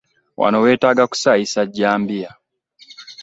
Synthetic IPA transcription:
wʔa̰nɔwɛtaɡaku̥saisaɟambia

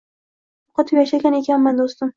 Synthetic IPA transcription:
ʊqʰɑt̪ʰɪpjaʃaɡʲane̞kʲanmand̪ost̪ɪm

